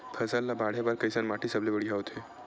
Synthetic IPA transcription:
pʰəsəlːabaɽ̤ebaɾkəjsənmaʈisəblebəɽiaot̪ʰe

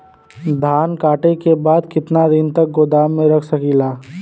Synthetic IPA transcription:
d̪ʱaːnkaːʈekebaːd̪kɪt̪nad̪ɪnt̪ɐk̚ɡoːd̪aːmːẽɾɐkʰsɐkilaː

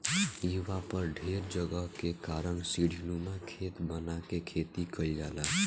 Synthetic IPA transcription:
iːwapəɾɖʱeːɾd͡ʒəɡəɦkekaːɾəɳsiɽʱiluːmakʰeːt̪bənakekʰeːt̪ikʰəid͡ʒaːlaː

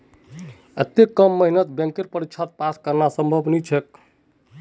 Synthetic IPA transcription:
ət̪ekːəmːəɦinət̪̚bjə̃ŋkeɾpəɾikt͡ʃʰat̪̚paskəɾnasəmbʱəbʱnit͡ʃʰek

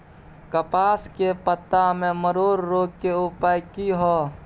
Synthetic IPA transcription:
kəpaːskepət̪ːamẽməɾoːɾːoːɡ̚keʊpajkiɦoː

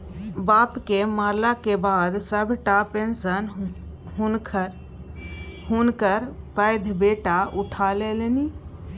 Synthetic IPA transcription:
baːpkemaːɾlakebaːd̪səbʱʈapensən | ɦnk | ɦunkəɾpəjd̪ʱbeːʈaʔʊʈʰalelni

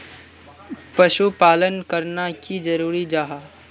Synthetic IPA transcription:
pɐʃupaːlənkɐɾnakid͡ʒɐɾuːɾid͡ʒaːɦaː

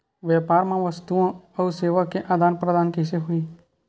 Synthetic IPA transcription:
ʋjɛːpaːɾmãʋəst̪uõəuseːʋakeʔaːd̪ʱaːnpɾəd̪aːnkɪseɦʊiː

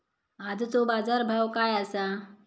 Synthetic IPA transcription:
ad̪t̪obaːd͡zaɾbʱawkaːjasa

